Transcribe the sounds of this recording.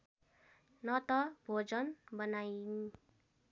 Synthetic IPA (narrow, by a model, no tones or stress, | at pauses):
nʌt̪ʌbʱod͡zʌnbʌnajni